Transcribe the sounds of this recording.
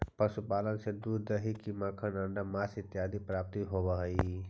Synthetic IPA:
pɐsupaːlənsed̪uːɾd̪əɦikimakʰənəɳɖamaːsɪt̪jaːd̪ipɾaːp̚t̪iɦobəɦi

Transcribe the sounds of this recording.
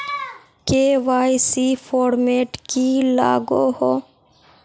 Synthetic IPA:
keːʋaːjsifʰoːɾmeːʈkila̰ːɡoːhoː

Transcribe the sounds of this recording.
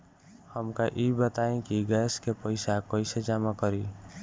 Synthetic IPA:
həmkaʔibət̪aẽkiɡɛskepəɪsakəɪsed͡ʒamakəɾi

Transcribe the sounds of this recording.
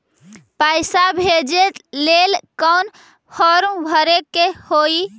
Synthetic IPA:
pajsabʱed͡ʒet̪lelkəwn | fʰɔɾũbʱəɾekːehoi

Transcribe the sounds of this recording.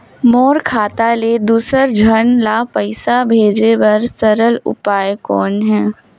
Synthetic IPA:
mɔːɾkʰaːt̪aled̪uːsəɾd͡ʒʱənlapəɪsabʱeːd͡ʒebɐɾsɐɾəlʊ̰paːekɔːnɦɛ̃ː

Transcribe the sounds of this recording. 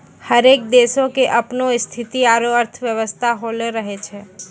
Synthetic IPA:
həɾeːk̚d̪eːsõkeʔɐpnoɪst̪ʰɪt̪iaːɾoəɾt̪ʰʋjəʋəst̪ʰaɦoːlɾəɦet͡ʃʰeː

